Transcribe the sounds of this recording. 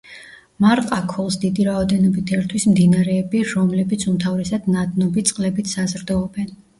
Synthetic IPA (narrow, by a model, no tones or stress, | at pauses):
maɾqʼakʰɔlˠsd̪id̪iɾaɔd̪ɛnɔbit̪ʰɛɾt̪ʰwismd̪inaɾɛːbiɾɔmlɛbit̪sʰumt̪ʰavɾɛsad̪̥nad̪nɔbit̪sʼqʼlɛbit̪sazɾd̪ɔɔbɛn